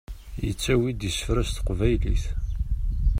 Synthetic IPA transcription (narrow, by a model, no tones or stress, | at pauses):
jə̰t͡sːæwid̪jəsə̥fɾæst̪qvæjlḭθ